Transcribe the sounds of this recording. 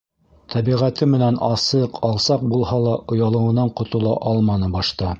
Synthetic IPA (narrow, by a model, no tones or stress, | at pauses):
t̪ʰæβiʁæt̪ʰɘmɘ̆nænɑsɤqʰɑlˠsɑq̚bulˠhɑlˠɑʔŏjɑlˠɤ̆wɤ̆nɑɴqŏt̪ŏlˠɑʔɑlˠmɑnɤbɑʃt̪ɑ